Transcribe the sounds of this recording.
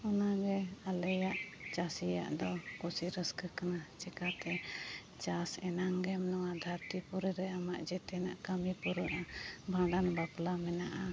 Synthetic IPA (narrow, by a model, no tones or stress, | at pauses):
ɔnaɡɛalɛjaʔt͡ʃasija̰ʔd̪ɔkusiɾəskəkanat͡ʃɛkat̪ɛ | t͡ʃasɛnaŋɡɛmnɔwad̪ʱaɾt̪ipuɾɛɾɛamaʔd͡ʒɛt̪ɛnaʔkamipuɾəʔabʱãɖanbaplamɛnaʔa